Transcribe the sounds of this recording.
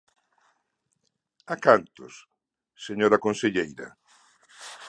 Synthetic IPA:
akant̪ʊs | seɲoɾakonseʎejɾɐ̰

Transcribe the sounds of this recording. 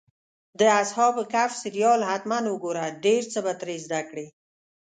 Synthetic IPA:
d̪əashɑbəkafsɪɾjɑlhat̪manwəɡoɾaɖeɾt͡səbat̪ɾezd̪akɽe

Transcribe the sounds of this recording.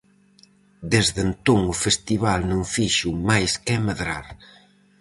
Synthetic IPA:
d̪ezðent̪oŋʊfest̪iβalnõŋfiʃʊmajskɛmɐðɾaɾ

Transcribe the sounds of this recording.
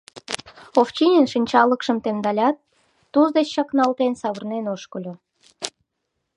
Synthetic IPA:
oft͡ɕinʲenʃənʲt͡ɕɑləkʃəmt̪emd̪ɑlʲɑt̪̚ː | uzd̪et͡ɕːɑknɑlt̪ensɑβərnenoʃkəlʲo

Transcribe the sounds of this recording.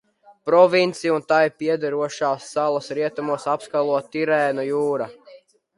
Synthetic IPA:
pɾɔvint̪sijunt̪ajpiɛd̪aɾuɔʃaːsːalˠasɾiɛt̪amuɔsapskalˠuɔt̪iɾɛːnujuːɾa

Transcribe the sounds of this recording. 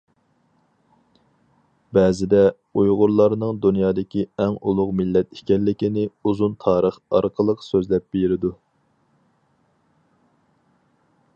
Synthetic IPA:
bɛːzɪd̪ɛ | ujʁʊɾlˠɑɾnɨŋd̪unjɑːd̪ɪkʲʰiɛŋulˠʊqmɪlːɛt̪i̥kʲɛlːɪkʲinɪuzunt̪ʰɑːɾəχɑ̰ɾqʰəlˠəqsøzlɛp̚b̥eɾɪd̪u

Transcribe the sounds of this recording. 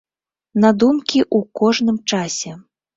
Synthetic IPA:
nad̪umkʲiʔukɔʐnɨmt͡ʂasʲɛ

